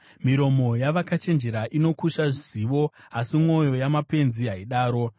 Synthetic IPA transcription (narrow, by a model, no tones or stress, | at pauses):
miɾo̞mo̞jaʋakat͡ʃe̞nd͡ʒe̞ɾaʔino̞kuʃaʐiziʋo̞asimŋo̞jo̞jamape̞nziɦaiɗaːɾo̞